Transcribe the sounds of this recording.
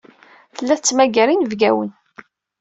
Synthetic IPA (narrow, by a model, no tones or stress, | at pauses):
θəlːæθət͡sːmæɡæɾinəvɡæwə̰n